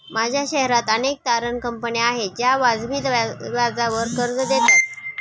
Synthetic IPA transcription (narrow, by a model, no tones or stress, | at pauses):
mad͡ʑʱjaɕɛɦɾat̪ənek̚t̪aɾənkəmpəniaɦed͡ʑjaʋad͡zbʱiːt̪ʋad͡zaʋəɾkəɾd͡zd̪et̪at̪